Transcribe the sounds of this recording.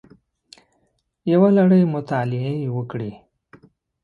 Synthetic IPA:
jawalaɽəjmʊt̪ɑlɪewəkɽi

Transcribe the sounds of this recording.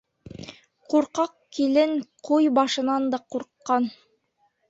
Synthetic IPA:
quɾqɑqkilɘŋqujbɑʃɤ̆nɑnd̪ɑquɾqːɑn

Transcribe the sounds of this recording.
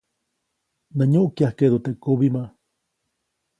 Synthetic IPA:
naɲoʔkjahked̪ot̪eʔkoβima

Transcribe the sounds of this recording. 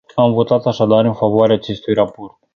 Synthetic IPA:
amvo̞t̪at̪aʃad̪aɾɨnfavoaɾeaːt͡ʃe̞st̪ujrapo̞rt̪̚

